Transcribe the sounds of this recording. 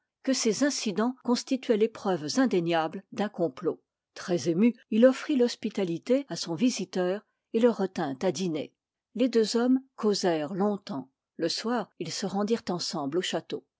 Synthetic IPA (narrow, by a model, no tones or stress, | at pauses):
kəsezɛ̃sid̪ɑ̃kɔ̃st̪it̪ɥɛlepχœvzɛ̃d̪eɲjabld̪ɛ̃kɔ̃plo | t̪χɛzemyilɔfχilɔspit̪alit̪easɔ̃vizit̪œːʁ | eləʁːət̪ɛ̃t̪ad̪inḛ | led̪øzɔmkʰozɛʁlɔ̃t̪ɑ̃ | ləswaːʁilsəʁɑ̃d̪iʁt̪ɑ̃sɑ̃bloʃat̪o